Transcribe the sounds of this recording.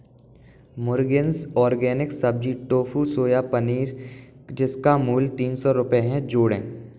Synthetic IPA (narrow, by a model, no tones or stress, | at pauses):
mʊɾɡɪnsɔːɾɡɛːnɪksɐb̚d͡ʒiʈoːfusoːjapɐniːɾ | d͡ʒɪskamuːlt̪iːnsɔɾʊpeɦɛ̃d͡ʒoːɽḛ̃ː